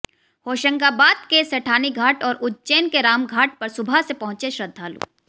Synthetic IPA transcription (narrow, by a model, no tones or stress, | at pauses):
hoːʃə̃ŋkabaːd̪keseʈʰaːniɡʱaːʈɔːɾʊt͡ʃeːnkeɾaːmɡʱaːʈ̚pɐɾsʊbʱasepɐɦʊ̃t͡ʃeʃɾɐd̪ʱːaːlṵː